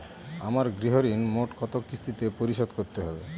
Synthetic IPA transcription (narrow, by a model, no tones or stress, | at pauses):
amaɾɡɾiɦoɾinmoʈkɔt̪okɾist̪ʰit̪epoɾiʃɔd̪koɾt̪eɦɔbe